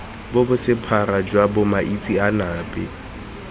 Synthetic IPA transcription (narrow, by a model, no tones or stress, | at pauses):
bʊbʊsɪpʰaɾad͡ʒwabʊmaʔit͡sʼianaːbʼɛ̰